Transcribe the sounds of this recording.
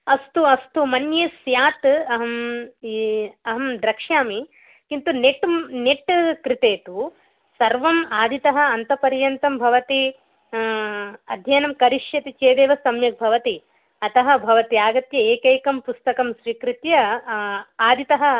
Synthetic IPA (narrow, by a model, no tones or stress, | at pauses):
ɐst̪uɐst̪umɐnjeːsjaːt̪ɐɦɐm | ɐɦɐmd̪ɾɐkʂjaːmi | kint̪uneʈmneʈkɾɪt̪eːt̪u | sɐɾʋɐmaːd̪ʱit̪ɐɦɐ̆ɐnt̪ɐpɐɾjɐnt̪ɐmbʱɐʋɐt̪i | ɐd̪ʱjɐːnɐmkɐɾiʂjɐt̪it͡ʃeːd̪eːʋɐsɐmjɐk̚bʱɐʋɐt̪i | ɐt̪ɐɦɐ̆bʱɐʋɐt̪iaːɡɐt̪jɐeːkeːkɐmpust̪ɐkɐmʃɾiːkɾɪt̪jɐ | aːd̪ʱit̪ɐɦɐ̆